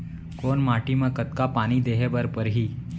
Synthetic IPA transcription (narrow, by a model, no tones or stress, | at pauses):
konmaʈiməkət̪kapaɽ̃id̪eɦebəɾpəɾɦiː